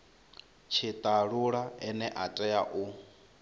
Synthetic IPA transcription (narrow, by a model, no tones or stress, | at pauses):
t͡ʃʰit̪ʼaɺuɺaɛnɛʔatʼɛjaʔu